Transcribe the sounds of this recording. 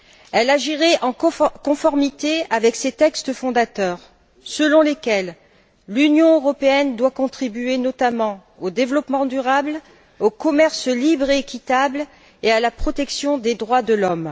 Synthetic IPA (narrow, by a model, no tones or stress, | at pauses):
ɛlaʒiʁɛʔɑ̃kɔ̃fɔʁmit̪eavɛkset̪ɛkst̪əfɔ̃d̪at̪œːʁ | səlɔ̃lekʲɛlː | ynjɔ̃øʁɔpeɛnd̪wakɔ̃t̪χibyenɔt̪amɑ̃ | od̪evlɔpmɑ̃d̪yʁabl | okɔmɛʁslibʁeːkʲit̪abl | ealapχɔt̪ɛksjɔ̃d̪ed̪ʁwad̪əlɔm